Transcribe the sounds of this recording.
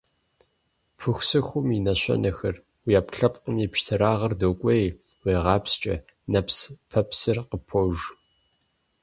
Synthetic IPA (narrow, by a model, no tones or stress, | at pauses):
pʰɨxʷsɨxʷʊminɐɕɐ̰nʔɐxɐr | wijaːpɬɐpʼqəniːpʃtʰɨɾaːʁɐrdoːkʷʼej | weːʁɑːpst͡ʃʼɐ̰ | nɐpspʰɐpsɨrqəpʰoʒ